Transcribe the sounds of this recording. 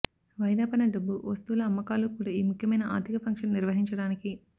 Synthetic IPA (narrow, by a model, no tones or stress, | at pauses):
ʋɐjd̪aːpɐnɐɖɐbːuʋɐst̪ulɐːmːɐkaːlukuːɽaːiːmukʰjɐmɐjnɐʔa̰ːɾd̪ʱikɐpʰɐŋkʂɐnniɾʋɐɦiɲt͡ʃɐɽaːniki